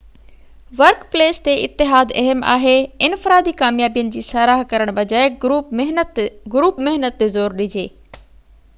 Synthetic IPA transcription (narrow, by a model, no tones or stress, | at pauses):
ʋɐɾkpleːst̪eʔɪ̰t̪ːɪɦaːd̪ɐɦəma̰ːɦeɪnfɪɾaːd̪ikaːmjaːbijənɪ̆d͡ʑiːsaːɾaːɦkɐɾəɽ̃bʱɐd͡ʑaːeɦ̪ɡɾuːpmɪɦnət̪ːezoːɾɗɪd͡ʑeː